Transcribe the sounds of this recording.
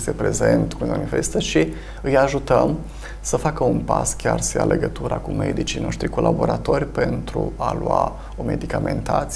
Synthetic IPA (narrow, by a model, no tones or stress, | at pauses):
st̪epɾe̞ze̞nt̪kunmanifest̪əʃi | ɨjaʒut̪əm | səfakəunpaskʲarsʃia̰lʔe̞ɡət̪uɾakume̞d̪it͡ʃijno̞ʃt̪ɾiko̞lʔabo̞ɾat̪o̞rʲpe̞nt̪ɾualua | o̞me̞d̪ikame̞nt̪at̪s